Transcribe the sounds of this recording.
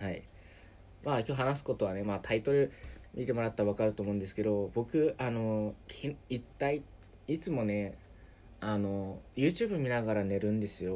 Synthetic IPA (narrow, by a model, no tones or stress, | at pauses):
hai | maːkʲo̞ːɦanas̬ɨ̥ko̞t̪o̞β̞ane̞mat̪ʰait̪o̞ɾɯ̟mʲʔʲit̪e̞mo̞ɾat̪ːaβakaɾɯ̟t̪o̞ːmo̞ɯ̟̃nd̪esɨ̥ke̞d̪o̞bo̞kɯ̟ʔano̞kʰiit̪ːai | it͡sɨmo̞ne̞ | ano̞jɯ̟ːt͡ɕɨːbɯ̟mʲinaɡaɾane̞ɾɯ̟̃nd̪e̞sɨjo̞